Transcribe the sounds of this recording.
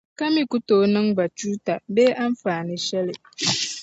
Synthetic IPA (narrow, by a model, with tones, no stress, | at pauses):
ka˦mĩ˦ku˦toː˨˦nɨ̃˦ŋba˨t͡ʃuː˦ta˨beː˦ʔa˦n˦faː˨nɪ̃˦ʃɛ˦lɪ˨